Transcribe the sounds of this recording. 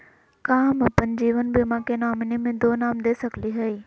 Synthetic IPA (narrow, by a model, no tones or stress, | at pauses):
kãːmpɐ̃ɲd͡ʑiːʋənbɪmãːkenaːmɪnimẽd̪oːnaːmd̪eːsɐkliɦɐiː